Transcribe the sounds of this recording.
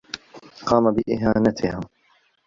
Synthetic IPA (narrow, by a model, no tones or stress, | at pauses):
qɑːmabɪʔɪɦaːnat̪ʰɪhaː